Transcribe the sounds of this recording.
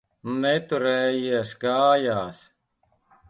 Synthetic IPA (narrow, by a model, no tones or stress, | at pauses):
net̪uɾeːjiɐsɡaːjaːs